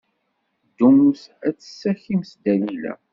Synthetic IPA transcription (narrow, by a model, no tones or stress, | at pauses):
d̪ːumuθæt͡sːə̥sːæçimsd̪ælilæ̰